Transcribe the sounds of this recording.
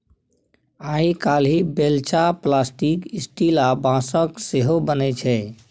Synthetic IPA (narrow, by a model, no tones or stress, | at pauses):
aikalɦibelt͡ʃaplasʈikisʈilabãsəkseɦobənɛt͡ʃʰɛ